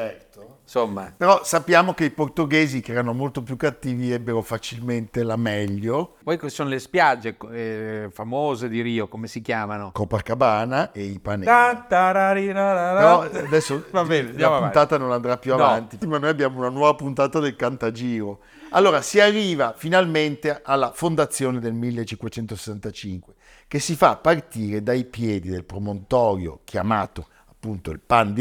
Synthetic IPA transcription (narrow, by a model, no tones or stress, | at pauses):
t͡ʃɛrt̪o | somːa̰peɾɔsapːjaːmok̟eiport̪oɡeːzikɛːɾanomolt̪opjukːat̪ːiːviɛbːeɾofat͡ʃilment̪elamɛʎːopɔjksoːnolespjad͡ʒːek | famoːzed̪iɾiːokomesikjaːmanokɔpːakabaːnaʔeipanat̪aɾaɾinaɾaɾɔad̪ɛsːovabɛdjaunt̪aːt̪anonand̪ɾapːjuavant̪iimanojabːjaːmounanwɔːvapunt̪aːt̪ad̪elkant̪ad͡ʒiːɾo | alːoːɾasiarːiːvafinalment̪eʔalːafond̪at̪sːjoːned̪elmilːet͡ʃːiŋkwet͡ʃɛnt̪ose̥sːant̪at͡ʃiŋkwe | kesːifapːart̪iːɾed̪ajpjɛːd̪id̪elpɾomont̪ɔːɾjo̰k̟ʰja̰maːt̪o | apːunt̪oilpand̪